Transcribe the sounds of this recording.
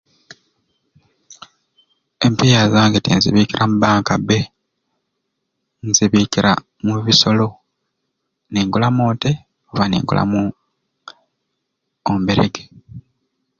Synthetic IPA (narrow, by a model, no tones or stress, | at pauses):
e̞mpijazaːŋɡetḭnziβiːkiɾʔamubaːŋkabe | nziβiːkiɾʔa̰ | muβiso̞lo̞ | neːŋɡulamoːnte | oβanḛːŋɡṵlʔa̰mu | ombeɾḛɡe